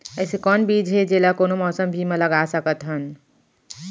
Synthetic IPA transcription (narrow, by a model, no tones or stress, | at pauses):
əjsekɔnbid͡ʒɦed͡ʒelakonomɔsəmbʱimeləɡasəkət̪ɦən